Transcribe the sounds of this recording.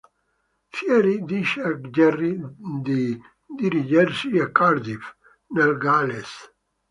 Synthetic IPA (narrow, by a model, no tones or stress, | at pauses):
fjɛɾid̪iʃakd͡ʒɛrid̪i | d̪iɾid͡ʒɛɾsiakaɾd̪if | nelɡales